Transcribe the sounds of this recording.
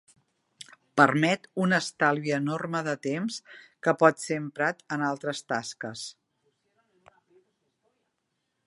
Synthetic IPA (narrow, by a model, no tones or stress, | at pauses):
pərmɛt̪unəst̪alˠβiəːnorməðət̪emskəpɔt̪sempɾat̪ənalˠt̪ɾəst̪askəs